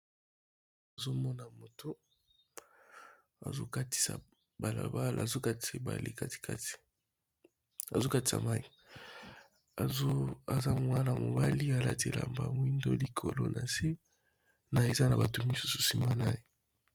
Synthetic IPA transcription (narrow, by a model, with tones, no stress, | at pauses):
a˨zo˦mɔ˦na˨mo˨tʰo˦ | a̰˨zo̰˦ka˦ti̥˨sa̰˨ | ba˨la̰˨ba˦l̰a˨zo˦ka˦te˨ba̰˨lḭ˦ka˦ti̥˨kʰa̰˦ti̥˨ | a˨zo˦ka˦ti̥˨sa̰˨ma˦i˨ | o˦a˨za˦m˨wa˦na˨mo̰˨ba˦li˦a˨la̰˦te˨la̰˨mba˨m˦i˦ndo˦li˨kʰo˨lo̰˦nʔa˨si˦ | na˨e˨za˦na˨ba˨to˨mi˦su˦so̥˨si˦ma˦na˦e˨